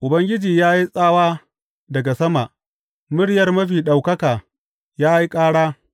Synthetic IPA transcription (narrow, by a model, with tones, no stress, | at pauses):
ʔʊ˨bɐ˦ŋɡʲɪ˦d͡ʒiː˨jaː˦ji˦sʼaː˦waː˦ | dɐ˨ɡa˨sɐ˦ma˨ʔ | mʊ˦ɽjɐ˨rmɐ˦ɸiː˨ɗa˨wkɐ˦kaː˨ | jaː˦ji˦kʼaː˦ɽaː˦